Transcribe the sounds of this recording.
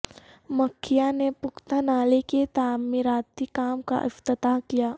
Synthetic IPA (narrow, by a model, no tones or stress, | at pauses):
mɐkʰːijanepʊkt̪anaːleket̪aːmɪɾaːt̪ikaːmka̰ʔɪft̪ət̪akijaː